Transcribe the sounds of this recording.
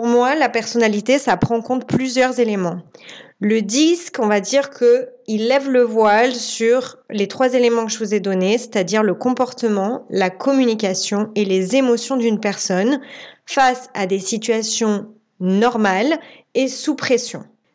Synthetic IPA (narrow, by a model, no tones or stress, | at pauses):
puʁmwalapɛʁsɔnalit̪esapχɑ̃kɔ̃t̪̚plyzjœʁzelemɑ̃ləd̪iskɔ̃vad̪iʁkʰəilːɛvləvwalsyʁlet̪χwazelemɑ̃kəʒəvuzɛd̪ɔnese̥t̪ad̪iʁləkɔ̃pɔʁt̪əmɑ̃lakʰɔmynikʲasjɔ̃elezemɔsjɔ̃d̪ynpɛʁsɔnfasad̪esit̪ɥasjɔ̃ | nɔʁmal | esupχesjɔ̰̃